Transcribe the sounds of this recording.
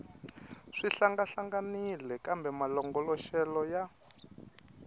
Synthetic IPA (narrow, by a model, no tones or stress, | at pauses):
ʂiɬaŋɡaɬaŋɡanilɛkambɛmalɔŋɡɔlɔʃɛlɔja